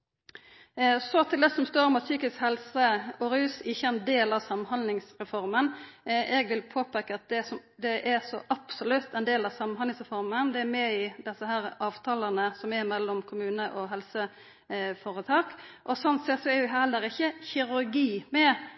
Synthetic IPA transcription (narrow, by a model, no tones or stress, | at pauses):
sɔt̪ʰɪld̪ɛsɔmst̪oːɾɔmɑt̪syːkɪskhɛlsəɔɾʉːsɪçːəɛnd̪eːlɑʋsɑmːnhɑnd̪lɪŋsɾɛfɔɾmənʔɛɡʋɪlpʰoːpɛkːəɑt̪̚d̪ɛsɔ | d̪ɛʔæɾsɔʔɑb̥sɔlʉt̪ːɛnd̪eːlɑʋsɑmːənhɑnɪŋsʁɛfɔɾmənd̪ɛæɾmɛɪd̪ɛsːəhæːɾɑːʋt̪ʰɑːlɑnəsɔmɛɾmɛlːɔmkʰʊmʉːnəʔɔɦɛlsə | foːɾət̪ʰɑːkʔɔsɔnt̪sɛt̪sɔæjʊɦɛlːəɾɪçːəçɪɾʉɾɡiːmɛ